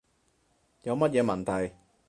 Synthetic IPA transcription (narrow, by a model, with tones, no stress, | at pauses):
jɐ˨˧wmɐ˥t̚jɛː˨˧mɐ˨˩nt̪ʰɐ˨˩j